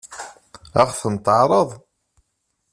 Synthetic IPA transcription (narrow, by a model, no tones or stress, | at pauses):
æχθənt̪əʕɾˤəðˤ